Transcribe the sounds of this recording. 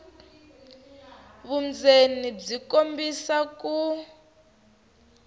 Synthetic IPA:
βund͡zenib͡ʐikombisaku

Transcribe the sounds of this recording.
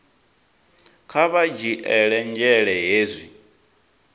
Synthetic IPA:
kʰaβad͡ʒiʔɛɺɛnd͡ʒɛɺɛɦeːzʷi

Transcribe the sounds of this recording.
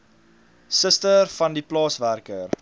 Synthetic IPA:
səstərfɐndiplɑːsværkər

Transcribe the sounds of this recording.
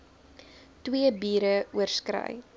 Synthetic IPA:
twiəbiːɾəuərskɾœ̰j

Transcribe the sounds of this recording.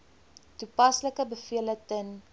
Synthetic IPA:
tupɐsləkəbəfiələtən

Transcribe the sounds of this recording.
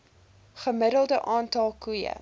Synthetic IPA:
χəmədəlˠdəʔɑːntɑlˠkujə̰

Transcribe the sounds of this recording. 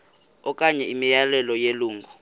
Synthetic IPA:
ɔkʼaɲɛimijalɛlɔjeluːŋɡʱu

